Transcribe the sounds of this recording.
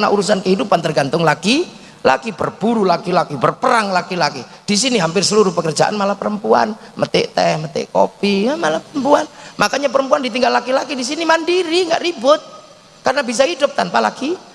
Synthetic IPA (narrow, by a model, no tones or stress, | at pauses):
naʔuɾusankəɦidupant̪ərɡant̪ʊŋlaɡi | la̰kibərb̥uɾulakilakibərpəɾaŋlakilaki | d̥isiniɦampɪrsəluɾʊhpəkərd͡ʒa̰ʔa̰nmalapəɾəmpua̰nmʔət̪ɪ̰ʔt̪ɛhmət̪ɪ̰ʔko̰piamalapəɾəmpuanmakaɲap̬əɾəmpuandit̪̬iŋɡalːakilakidis̬inimandiɾiŋɡa̰ʔribʊt̪̚ | karnabis̬ahidʊp̚t̪anpala̰ki